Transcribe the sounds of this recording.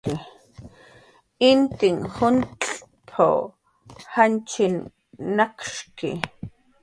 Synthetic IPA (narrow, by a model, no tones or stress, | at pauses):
ki | int̪iŋxʊnt̪pʰo̰ | hant͡ʃinː | akʃkḭ